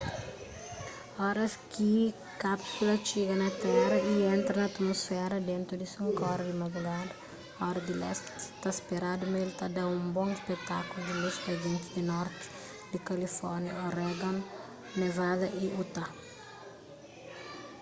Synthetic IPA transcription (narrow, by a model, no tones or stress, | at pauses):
ɔɾɐski | kapsulɐt͡ʃeɡɐnɐt̪ɛrɐiẽnt̪ɾɐnɐːt̪mosfɛɾɐd̪ẽnt̪ɾud̪isũŋkɔɾd̪imad̪ɾuɡad̪ɐ | ɔɾɐd̪ilɛskt̪aspeɾad̪umelt̪ad̪aũmbõŋispek̚t̪akulud̪ɪleskɐd͡ʒĩnt̪ɪd̪inɔɾt̪ɪ̥ | d̪ikɐlifɔɾnjɐoɾɛɡãn | nevad̪ɐʔiut̪a